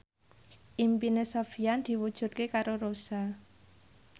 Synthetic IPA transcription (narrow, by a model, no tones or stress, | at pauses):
ʔimpinesofiand̪̥i̤wud̥ʒ̥ṳt̪̚kekaɾoɾosa